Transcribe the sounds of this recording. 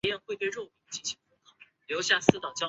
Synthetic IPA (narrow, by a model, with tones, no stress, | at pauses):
jɛ˥˧nxwe˥˧ɪt̪wɻo˥˩ʊpi˧˥ŋt͡ɕi˥˩nɕi˧˥ŋfʊ˥kʰɑ˨˩˦ | ljo˧˥ʊɕja˥˧sɹ̩˥˩t̪ɑ˨˩ʊt͡ɕjɑ˥